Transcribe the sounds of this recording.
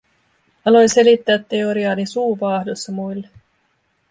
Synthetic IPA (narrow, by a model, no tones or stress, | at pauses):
ɑlo̞jselit̪ːæːt̪ːe̞oɾiɑːnisuːʋɑːhdosːɑmujlːe